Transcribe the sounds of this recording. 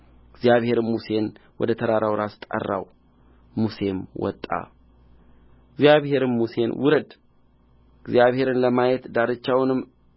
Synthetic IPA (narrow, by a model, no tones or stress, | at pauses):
ɪɡzijaβhe̞ɾɨmmuse̞nwɔ̰d̪ət̪ʰəd̪aɾawɾast̪ʼə̰rːa̰w | muse̞mwɔ̰t̪ʼːa̰ | ɪɡzjaβhe̞ɾɨmmuse̞nwʊɾəd̪ | ɪɡzijaβhe̞ɾɨnləmajɛt̪d̪aɾɨt͡ʃːawnɨm